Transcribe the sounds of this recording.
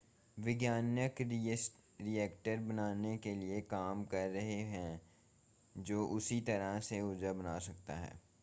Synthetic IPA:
ʋɪɡjaːnjəksʈ | ɾiɛːkʈəɾbɐnaːnekeliekaːmkɐɾːɐɦeɦɛ̃ | d͡ʒoːʔʊsit̪ɐɾəɦseʊd͡ʒəbɐnaːsɐkt̪a̰ɦɛ̰ː

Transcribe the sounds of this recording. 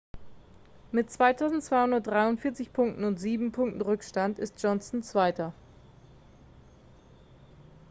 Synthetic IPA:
mɪtt͡sv̥aɪtʰaʊzn̩tt͡sv̥aɪhʊndɐt̚d̥ʁaɪʊntfɪːɐt͡sɪçpʰʊŋk̚tn̩ʊntz̥iːbm̩pʰʊŋk̚tn̩ʁʏkʃtantɪ̰st̚ʒ̥ɔnsn̩t͡sv̥aɪtɐ

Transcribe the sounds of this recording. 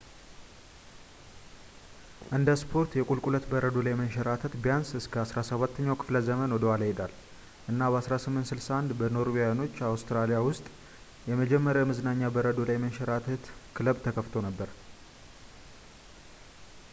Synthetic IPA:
ʔɨnd̪əspʰo̞ɾt̪jɛkʼulkʼulət̪bəɾəd̪o̞lajmənʃɛɾat̪ʰət̪bijansɨskʰəasɾasəβat̪ʰːəɲːawkʰɨ̥fləzəmənwɔd̪əwalajɛd̪al | ʔɨnːabəasɾasɨmːɨnt̪sɨlsaand̪bəno̞ɾwiano̞t͡ʃːawst̪ɾalijawʊst̪ʼ | jɛməd͡ʒɛmːəɾjamɨzɨnaɲːabəɾəd̪o̞lajmənʃɛɾat̪ʰət̪kʰɨləbt̪ʰəkʰəft̪ʰo̞nəbːəɾ

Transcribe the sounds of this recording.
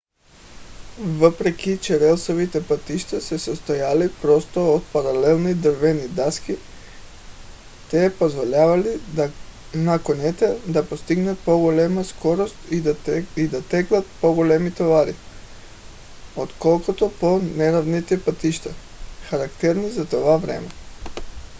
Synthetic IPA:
vəpɾɛkʲit͡ʃɛɾɛlˠsovit̪ɛpət̪iʃt̪asɛsost̪ojalipɾɔst̪oot̪̚paɾalɛlˠnid̪əɾvɛnid̪aski | t̪ɛpozvolʲavali | nakonɛt̪ɛd̪apost̪iɡnat̪̚poɡolɛmaskoɾost̪id̪at̪ɛklˠat̪̚poɡolɛmit̪ovaɾi | ot̪kolˠkot̪oponɛɾavnit̪ɛpat̪iʃt̪a | xaɾakt̪ɛɾnizat̪ovavɾɛ̰mɛ

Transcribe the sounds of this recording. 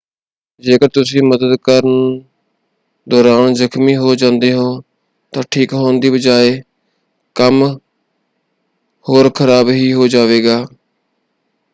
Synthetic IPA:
d͡ʒeːkəɾt̪ʊsĩːməd̪əd̪kəɾən | d̪ɔːɾaːnzəkʰmiːɦoːd͡ʒãːnd̪eːɦoː | t̪ãːʈʰiːkɦoːnd̪iːbəd͡ʒaːeː | kəm | hoːɾkʰəɾaːbɦiːɦoːd͡ʒaːʋeːɡaː

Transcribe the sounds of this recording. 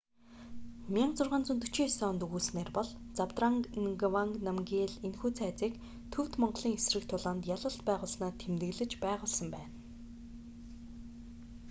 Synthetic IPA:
mʲiaɴt͡sʊrʁaːnt͡sɵnt̪ɵ̥̆t͡ɕʰiːsɔːnt̪ɵɣuːsneːrpɔɮ | t͡sawt̪raŋɡwaŋɡnamɡʲiːɮenxuːt͡sʰæːt͡siːk | t̪ʰɵw̥t̪mɔɴɢɮiːŋesrɘ̆kt̪ʰʊɮɔːnt̪jaɮə̆ɬt̪pæːʁʊːɮsnaːt̪ʰemt̪ɘ̆ɮɘ̆t͡ɕpæːʁʊːɮsə̆mpæːn

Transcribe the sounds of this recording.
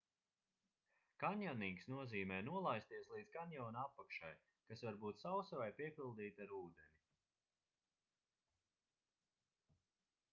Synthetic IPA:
kanʲjaniːksnuɔziːmɛːnuɔlˠajst̪iɛslˠiːd̪zkanʲjɔːnapːakʃa̰j | kasvaɾbuːt̪sawsɔɾajpiɛpʲilˠd̪iːt̪ʲaɾuːd̪ɛnʲi

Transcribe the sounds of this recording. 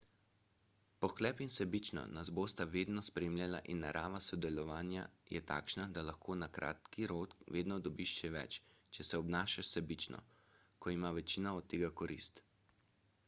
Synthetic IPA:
pɔxklɛːpinsɛbit͡ʃnɔ̰nazboːst̪aʋeːd̪nɔspɾeːmljala̰ʔinːa̰ɾʔaːʋasɔd̪ɛlɔʋaːnja̰jɛ̰t̪a̰ːkʃnad̪alaxkʰoːnakɾʔa̰ːt̪kiɾoːt̪ʋeːd̪nɔd̪ɔbiʃʃɛʋɛ̰t͡ʃt͡ʃɛsɛɔbnaːʃaʃsɛbit͡ʃnɔ̰ | kɔimaʋɛt͡ʃiːnaɔt̪ːeːɡakɔɾḭst̪

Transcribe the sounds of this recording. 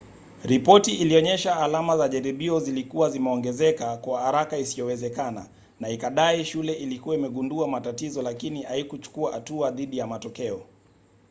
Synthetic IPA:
ɾipɔtiʔːliɔɲɛʃaːlamazaʄaɾiɓiɔzilikuwazimɛɔŋɡɛzɛkakwahaɾakaisiɔwɛzɛkana̰ | naikaɗaiʃulɛʔilikuwaimɛɠunduamatatizɔlakinihaikut͡ʃu̥kuaha̰tuaðiɗijamatɔkɛɔ

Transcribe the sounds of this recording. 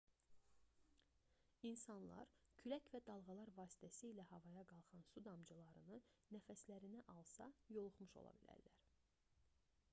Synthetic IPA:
insɑnlˠɑ̰ɾcʰylæcvæd̪ɑlˠʁɑlˠɑɾvɑːsi̥t̪ʰæsiːlæhɑvɑjɑɡɑlˠχɑnsud̪ɑmd͡ʒɯlˠɑɾɯnɯnæfæslæɾinæʔɑlˠsɑjo̞lˠuχmuʃo̞̰lˠɑ̰bilæ̰ɾlæ̰ɾ

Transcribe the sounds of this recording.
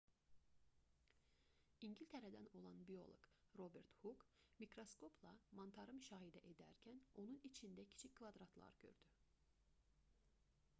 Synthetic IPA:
iɲɟilʲt̪ʰeɾæd̪æno̞lˠɑnbio̞̰lˠo̰ɡ | ɾo̞beɾt̪huk | mikɾo̞skʰo̞pʰlˠɑmɑnt̪ʰɑɾɯmyʃɑːɦid̪æʔed̪æɾcʰæno̞nunit͡ʃʰind̪æcʰi̥t͡ʃʰicʲkːvɑd̪ɾɑt̪ʰlˠɑ̰ɾɟ̥ø̰ɾd̪̥y

